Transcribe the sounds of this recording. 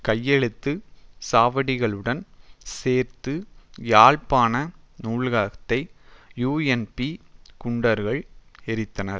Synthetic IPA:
kɐjːɛɻɯt̪ːɯsaːʋɐɽɪɣɐɭɯɽɐnseːɾt̪ɯjaːɻpaːnɐ | nuːɭɣaːɣɐt̪ːɐɪjuːɛnpikʊɳɖɐɾɣɐɭɛɾɪt̪ːɐnɐɾ

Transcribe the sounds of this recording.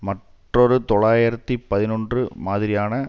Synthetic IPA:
mɐʈ | rɔɾɯt̪ɔɭaːjɪɾɐt̪ːipɐðɪnɔndrɯmaːðɪɾɪjaːnɐ

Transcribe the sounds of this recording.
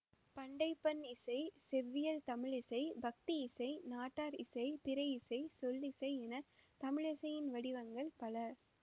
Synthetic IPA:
pɐɳɖɐɪpːɐnɪsɐɪsɛʋːɪjɐlt̪ɐmɪɭɪsɐɪbɐk̚t̪iɪsɐɪnaːʈːaːɾɪsɐɪpɪɾɐɪɪsɐɪsɔlːɪsɐɪɛnɐt̪ɐmɪɻɪsɐjɪnʋɐɽɪʋɐŋɡɐɭpɐlɐ

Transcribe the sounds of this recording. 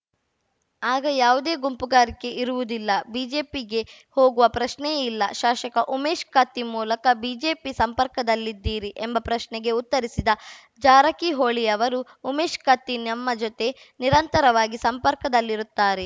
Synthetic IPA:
aːɡɐjaːʋud̪e̞ːɡumpuɡaːɾike̞ʔiɾuʋud̪ilːɐbiːd͡ʒe̞ːpiɡe̞ | ho̞ːɡuʋɐpɾɐʃnɛilːɐʃaːʃɐkɐʔumeːʃkaːt̪imuːlɐkɐbiːd͡ʒe̞ːpisɐmpɐɾkɐd̪ɐlːid̪ːiːɾiʔembɐpɾɐʃnɛɡe̞ut̪ːɐɾisid̪ɐ | d͡ʒaːɾɐkiɦoːɭijɐʋɐɾuːmeːʃkaːt̪inɐmːɐd͡ʒot̪e̞ | niɾɐnt̪ɐɾɐʋaːɡisɐmpɐɾkɐd̪ɐlːiɾut̪ːaːɾe

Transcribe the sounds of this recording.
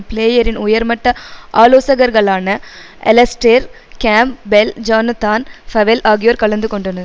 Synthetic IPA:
pɭeːjɐɾɪnʊjɐɾmɐʈːɐʔaːloːsɐɣɐɾɣɐɭaːnɐ | ʔɛ̰lɐsʈeɾ | kaːmbɛld͡ʒaːnɐt̪aːnfɐʋɛlʔaːɣɪjoːɾkɐɭɐnd̪ɯkɔɳɖɐnɐð

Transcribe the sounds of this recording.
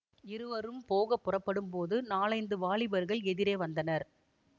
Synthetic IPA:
ɪɾɯʋɐɾɯmpoːɣɐpːɯrɐpːɐɽɯmpoːðɯnaːɭɐɪnd̪ɯʋaːɭɪbɐɾɣɐɭɛðɪɾeːʋɐnd̪ɐnɐɾ

